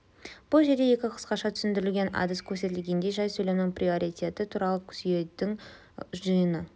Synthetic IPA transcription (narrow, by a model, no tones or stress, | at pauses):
b̥ʊlˠʒe̞ɾd̪e̞je̞kʲɪqʰə̥sqɑʃɑt̪ʰʏ̥sɪnd̪ɪɾɪlɡʲe̞na̰d̪əskʲʰɵɾse̞t̪ɪlɡʲe̞nd̪e̞jʒɑjsɵjlemnɪŋprio̞ɾit̪ʲe̞t̪ɪt̪ʰuɾɑlˠəkʲʰʏ̥sije̞d̪ɪŋ | ʒəjənə